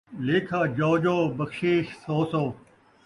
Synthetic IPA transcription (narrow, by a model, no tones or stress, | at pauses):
leːkʰaːd͡ʑɔːd͡ʒoːbɐkʃiːʃsoːsoː